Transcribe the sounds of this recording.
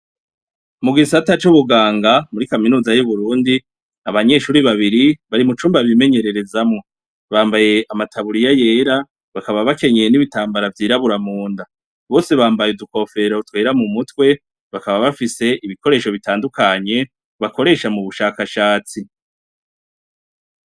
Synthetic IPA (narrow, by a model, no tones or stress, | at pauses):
muɡisatat͡ʃuβuɡaːŋɡamuɾikaminuːzajuβuɾuːndi | aβaɲe̞ʃuːɾiβaβiɾiβaɾimut͡ʃuːmbaβime̞ɲe̞ɾe̞ɾe̞zamŋo̞ | βaːmbaje̞amatʰaβuɾijaje̞ːɾa | βakaβaβake̞ɲeniβitaːmbaɾavjiːɾaβuɾamuːnda | βo̞ːse̞βaːmbajeduko̞fe̞ɾotweːɾamumutwe̞ | βakaβaβafise̞ʔiβiko̞ɾe̞ːʃo̞βitaːndukaɲe̞ | βako̞ɾe̞ʃamuβuʃaːkaʃaːt͡si